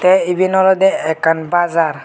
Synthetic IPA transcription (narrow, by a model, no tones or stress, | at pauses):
t̪ɛibinɔlɔd̪ɛɛkːanbazaɾ